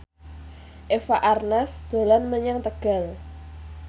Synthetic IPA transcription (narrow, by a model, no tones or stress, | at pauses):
ʔefaʔarnasd̪̥o̤lanməɲaŋt̪əɡ̥a̤l